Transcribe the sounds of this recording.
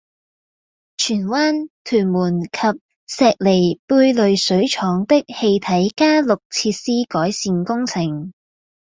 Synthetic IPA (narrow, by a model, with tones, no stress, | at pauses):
t͡ʃʰyː˨˩nwaː˥nt̪ʰyː˨˩nmuː˨˩nkʰɐ˨p̚ | sɛː˨˧k̚le˨˩jpuː˧jlɵ˨˧ɥsɵ˨˥ɥt͡ʃʰɔː˨˧˥ŋt̪ɪ˥k̚he˧jt̪ʰɐ˨˥jkaː˥lʊ˨k̚t͡sʰiː˧t̚siː˥kɔː˨˥jsiː˨˧nkʊ˥ŋt͡sʰɪ˨˩ŋ